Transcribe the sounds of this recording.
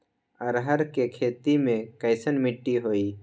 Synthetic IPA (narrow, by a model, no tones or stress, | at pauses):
ɐɾɦəɾkekʰeːt̪imẽkəɪsənmɪʈːiɦoːiː